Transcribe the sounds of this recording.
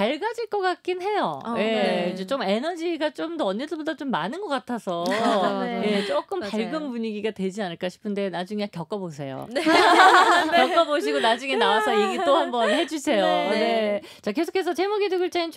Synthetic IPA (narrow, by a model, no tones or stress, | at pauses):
aɭɡad͡ʑiɭk͈ʌk͈ak͈inɦe̞jo̰je̞d͡ʑet͡ɕ͈ome̞nʌd͡ʑiɡat͡ɕ͈omdoʌnːedɯɭbodat͡ɕomːanɯnɡʌk͈atʰasʰʌ | je̞t͡ɕ͈ok͈ɯmpaɭɡɯmpuɲiɡiɡatwe̞d͡ʑianɯɭk͈aɕʰi̥pʰɯnde̞nad͡ʑuŋekjʌk͈ʌbos̬ʰe̞jo̰ | jʌk͈ʌboɕʰiɡonad͡ʑuŋe̞nawasʰʌje̞ɡit͈ohambʌnhe̞d͡ʑusʰe̞jon̞e̞ | t͡ɕake̞sʰo̥kʰes̬ʰʌt͡ɕemʌɡidɯɡɯɭt͡ɕ͈ain